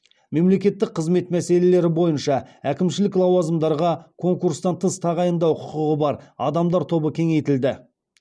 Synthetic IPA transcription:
me̞mle̞kʲe̞t̪ːɪk̚qʰəzme̞t̪mæse̞le̞le̞ɾɪbo̞jənʃɑækʲɪmʃɪlɪklˠɑwɑzəmd̪ɑɾʁɑkʰo̞ŋkuɾst̪ɑnt̪ʰəst̪ʰɑʁɑjənd̪ɑwqʰʊ̥qəʁəbɑɾɑ̰d̪ɑmd̪ɑɾt̪ʰo̞bəkʲʰe̞ŋe̞jt̪ɪld̪ɪ

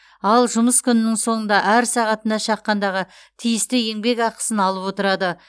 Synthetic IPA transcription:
ɑlˠʒʊməskʲʰʏnɪnɪŋso̞ɴənd̪ɑʔæɾsɑʁɑt̪ənd̪ɑʃɑqːɑnd̪ɑʁə | t̪ʰijɪst̪ɪe̞ŋbe̞kɑqə̥sənɑlˠəpwo̞t̪əɾɑd̪ə

